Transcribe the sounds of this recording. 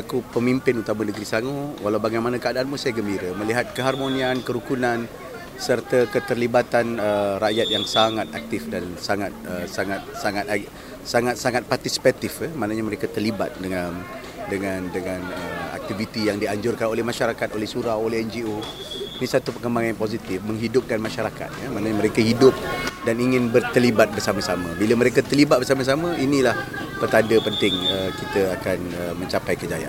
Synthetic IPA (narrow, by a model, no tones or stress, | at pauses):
akupəmimpɪnut̪amanəɡɾisaŋowalawbaɡajmanãkəadaːnmusajɡəmbiɾəmə̃liɦat̪̚kəɦarmonĩankəɾukunãn | sərt̪akət̪ərlibat̪anəraʔjat̪̚jaŋsaŋat̪ak̚t̪ifdansaŋat̪̚əsaŋat̪̚saŋat̪a | saŋat̪̚saŋat̪̚part̪isi̥pat̪ifəmanaɲaməɾekat̪ərliba̰t̪̚dəŋan | dəŋãndəŋãnəa̰k̚t̪ivit̪ijaŋdiaɲd͡ʒʊrkanolɛhmaʃaɾakat̪̚olɛhsuɾawolɛhɛnd͡ʒio | inisat̪upəkəmbaŋanjãŋpozit̪ɪfmə̃ŋɦidʊp̚kanmaʃaɾaka̰t̪̚jamanaɲamə̃ɾekəhidʊp̚daniŋɪ̃nbərt̪əlibat̪̚bərsamasamə̃biləməɾekət̪əlibat̪̚bərs̬amas̬amə̃inilah | pərt̪andəpənt̪ɪŋəkit̪əakan | əmə̃ɲt͡ʃapajkəd͡ʒaja̰